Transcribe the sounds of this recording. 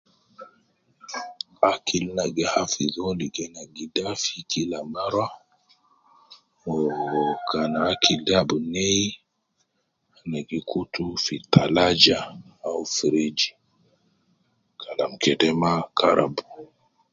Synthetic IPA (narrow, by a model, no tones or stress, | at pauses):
akʰilnaɡɛhafizɔliɡɛnaɡidafikʰilamaɾwa | ɔkanaːkʰildabnɛ | naɡikʰutufitalad͡ʒaːufiɾid͡ʒi | kʰalamkɛdɛmakaɾa̰bu